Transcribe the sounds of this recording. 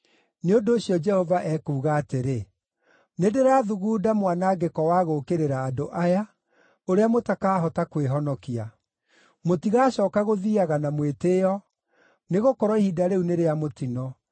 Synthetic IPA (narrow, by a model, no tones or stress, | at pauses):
neondoːɕjɔd͡ʒɛhɔvaʔɛkuːɣaːteɾe | nedeɾaðuɣuːdamwanaɡekɔwaɣokeɾeɾaːdoʔaja | oɾeamotakaːɦɔtakweɦɔnɔkia | motiɣaːɕɔːkaɣoðiaɣanamwetejɔ | neɣokɔɾwɔihidaɾeuneɾeamotinɔ